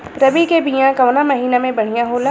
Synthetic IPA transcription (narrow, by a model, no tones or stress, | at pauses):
ɾɐbikebijãkɐʋnamɐɦiːnamẽbɐɽ̤ijãɦoːla